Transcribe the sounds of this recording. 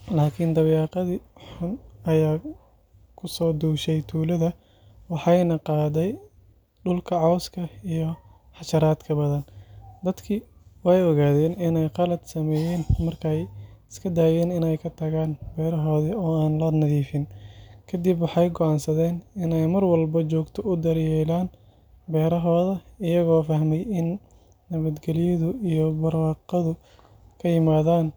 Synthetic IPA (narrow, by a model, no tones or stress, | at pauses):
laːkʰɪnd̪ɐβjɑːqɑðiħʊnɐjaː | kʰʊsɔːd̪uːʃɛjt̪ʰuːlɐðɐ | wɑħɑjnɐqɑːdɛj | ɖʊlkʰɐʕɔwskʰɐijɔ | ħɑʃɐɾaːd̪kʰɐbɐðɐnd̪ɐd̪kʰɪ | wɑjɔɣaːðɛːnɪnɛjqɑlɐd̪sɐmɛːjɛːnmɐrkʰɛjɪskʰɐd̪aːjɛːnɪnɛjkʰɐt̪ʰɐɣaːnbɛːɾɐɦɔːðɐɔːaːnlɐnɐðiːfɪnkʰɐd̪ibwɑħɑjɡɔʕɑnsɐðɛːnɪnɛjmɐrwɐlbɐt͡ʃɔːɡt̪ʰɔʊd̪ɐrjɛːlaːn | bɛːɾɐɦɔːðɐɪjɐɣɔːfɐhmɛjɪnː | ɐβɐd̪ɡɛlɪjɐðʊijɔbɐrwɑːqɐðʊ | kʰɐjɪmaːðaːn